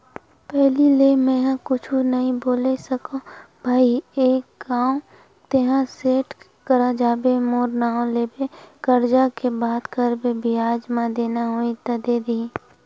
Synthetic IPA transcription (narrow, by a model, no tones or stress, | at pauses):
pɛɦlileːmɛ̃ɦãkʊt͡ʃʰunɐɦĩboːlesəkõ | bʱaːieːkɡaːõ | t̪eɦãseːʈ | kəɾad͡ʒaːbemoːɾnaːõleːbekəɾd͡ʒakebaːd̪kəɾbebʱiaːd͡ʒmãd̪eːnaɦoːit̪ɐd̪ed̪i